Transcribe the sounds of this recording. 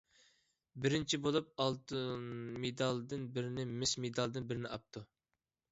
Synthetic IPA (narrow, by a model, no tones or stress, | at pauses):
bɪɾɪnt͡ʃʰibolˠup̚ɑlˠt̪ʰɨnmed̪ɑlˠd̪ɨnbɪɾɪnɪmɪsmed̪ɑlˠd̪ɨnbɪɾɪnɪʔɑp̚t̪ʰu